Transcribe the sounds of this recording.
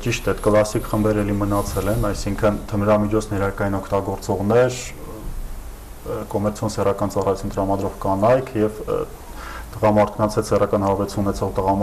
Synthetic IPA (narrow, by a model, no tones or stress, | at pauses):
t͡ʃiʃt̪ɛt̪kəlɑsikχəmbɛɾɛlimənɑt͡sʰɛlɛnɑjsiŋkʰənt̪ʰəmɾɑmit͡ʃʰɔt͡sʰnɛɾɑɾkɑjinɔkʰt̪ɑɡɔɾt͡sɔʁnɛɾ | kɔmɛɾt͡sʰjɔnsɛrɑkɑnt͡sɑrɑjut͡sʰunt̪əɾɑmɑd̪ɾɔʁkɑnɑjkʰjɛv | t̪əʁɑmɑɾt̪ʰkɑnt͡sʰɛt͡sʰsɛrɑkɑnhɑɾvɛɾt͡sʰununɛt͡sʰɔʁt̪əʁɑm